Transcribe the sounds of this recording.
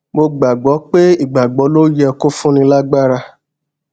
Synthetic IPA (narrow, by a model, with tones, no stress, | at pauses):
mo˧ɡ͡ba˨ɡ͡bɔ˨˦k͡pe˦i˦˨ɡ͡ba˨ɡ͡bɔ˨˦lo˦jɛ˧ko˦fũ˦nĩ˧la˦ɡ͡ba˦ɾa˧